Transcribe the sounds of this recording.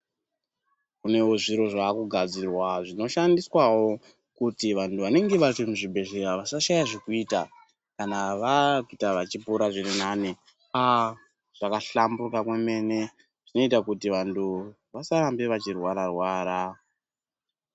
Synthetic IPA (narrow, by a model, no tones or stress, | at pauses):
kune̞wo̞ʐiɾo̞ʐakuɡʱad͡zirwaʐino̞ʃandiswawo̞ | kutiʋantuʋane̞ŋɡe̞ʋatimuʐibʱe̞ɮe̞ɾaʋasaʃajaʐikuita | kanaʋakitaʋat͡ʃipuɾaʐiɾinane | a | ʐ̥akaɬambukakweme̞ne̞ | ʐ̥ino̞itakutiʋantʰu | ʋasaɾambeʋat͡ʃirwaɾarwaːɾa